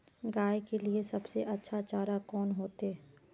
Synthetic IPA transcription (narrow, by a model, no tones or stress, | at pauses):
ɡaːekeliesɐbseʔɐtːʃʰat͡ʃaːɾakɔːnɦoːt̪e